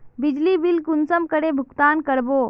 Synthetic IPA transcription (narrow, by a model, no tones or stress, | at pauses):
bɪd͡ʒlibilkʊnsəmkəɽebʱʊkt̪aːnkəɾbo